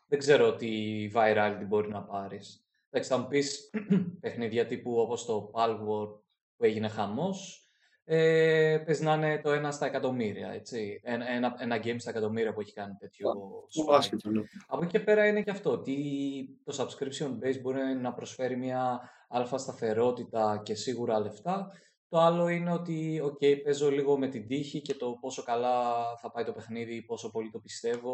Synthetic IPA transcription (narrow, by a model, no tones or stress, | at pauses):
ðeɡze̞ɾoot̪ivɐjɾɐlit̪ibo̞ɾinɐpɐɾis | d̪ɐksiɐmpispe̞xniðʝɐt̪ipuo̞po̞st̪o̞pɐlwo̞ɾd̪̚ | pue̞ʝine̞xɐmo̞s | epeznɐne̞t̪o̞e̞nɐst̪ɐekɐt̪o̞miɾiɐ̰e̞t͡sienenɐe̞nɐɟe̞jmst̪ɐekɐt̪o̞miɾiɐpue̞çi̥kɐnit̪e̞t̪çosaset̪nɐpo̞cice̞pe̞ɾɐine̞ceɐft̪o̞t̪it̪o̞sɐbskɾipsio̞nbe̞jsbo̞ɾinɐpɾo̞sfe̞ɾimɲɐ | ɐlfɐst̪ɐθe̞ɾo̞t̪it̪ɐce̞siɣuɾɐle̞ft̪ɐ | t̪o̞ɐlo̞ine̞o̞t̪io̞ce̞jpe̞zo̞liɣo̞me̞t̪id̪içice̞t̪o̞po̞so̞kɐlɐθɐpɐjt̪o̞pe̞xniðipo̞so̞po̞lit̪o̞pist̪e̞vo̞